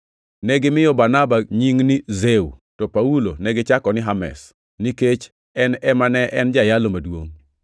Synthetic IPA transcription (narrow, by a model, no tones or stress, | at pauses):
nɛɡɪmɪjɔbanabaɲiŋnizeṵtɔpaulo̰nɛɡɪt͡ʃakɔnɪɦamɛ̰s | niket͡ʃ | ɛnɛmanɛʔɛnd͡ʒajalomadwo̰ŋ